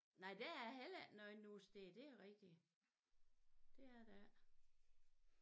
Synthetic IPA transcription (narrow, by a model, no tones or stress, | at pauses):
nɑ̈ɪ̰d̥eæhelənɔenːusd̥ed̥e̝æʁɛɡ̥̚d̥i | d̥e̝æd̥æ